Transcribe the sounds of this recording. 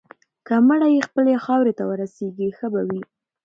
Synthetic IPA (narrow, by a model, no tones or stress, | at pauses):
kaməɽajexpəlexɑwɾet̪awəɾaseɡixəbawi